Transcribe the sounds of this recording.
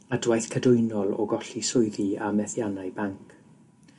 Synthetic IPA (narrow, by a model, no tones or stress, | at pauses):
adwajθkʰədʊɨnɔlˠɔ̰ɡɔɬisʊɨðiamɛθjanaɨbaŋkʰ